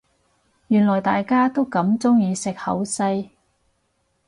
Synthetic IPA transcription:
jyː˨˩nlɔː˨˩jt̪aː˨jkaː˥t̪o˥wkɐ˨˥mt͡sʊ˥ŋjiː˨˧sɪ˨k̚hɐ̰˨˥wsɐ˧j

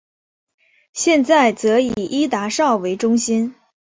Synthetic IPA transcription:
ɕjɛ˥˧nt͡sa˥˩ɪt͡sɤ˧˥i˨˩ʔi˥t̪a˧˥ʂɑ˥˩ʊwe˧˥ɪʈ͡ʂʊ˥ŋɕi˥n

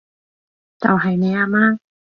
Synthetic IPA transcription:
t͡sɐ̰˨wɦɐ˨jne˨˧aː˧maː˧

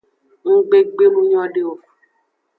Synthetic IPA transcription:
ŋ̩˦ɡ͡be˦ɡ͡be˦mũ˦ɲ˦ɔ̃˦ɖe˦o˦

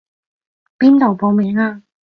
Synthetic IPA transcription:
piː˥nt̪o˨˩wpo˨˧wmiː˨˥ŋaː˧

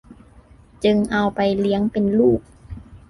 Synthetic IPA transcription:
t͡ɕɯ˧ŋʔa˧wpa˧˩jli˨˦əŋpe˨nluː˥˩k̚

